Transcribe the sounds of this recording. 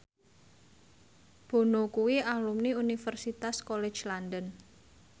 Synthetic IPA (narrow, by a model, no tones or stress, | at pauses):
b̥o̤nokuwialumniunifərsit̪askolɛ̥d͡ʒlandən